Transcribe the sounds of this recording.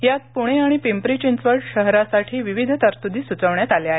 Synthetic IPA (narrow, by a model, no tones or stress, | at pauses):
jat̪̚puɽ̃eaɽ̃ipimpɾit͡ɕint͡sʋəɾʈɕəɦɾasaʈʰiːʋiʋid̪ʱt̪əɾt̪ud̪iːsut͡səʋɳjat̪aleaɦe